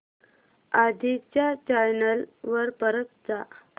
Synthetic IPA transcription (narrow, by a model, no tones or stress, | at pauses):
ad̪ʱit͡ɕjat͡ɕajnəlʋəɾpəɾət̪̚d͡za